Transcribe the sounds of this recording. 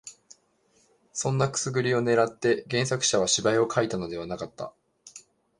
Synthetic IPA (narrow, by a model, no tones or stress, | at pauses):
sõ̞nːakɯ̟̥sɨɡɯ̟ɾʲio̞ne̞ɾat̪ːe̞ɡẽ̞ɰ̃sakɯ̟̥ɕaβ̞aɕibaio̞kʰait̪ano̞d̪e̞β̞anakat̪ːa̰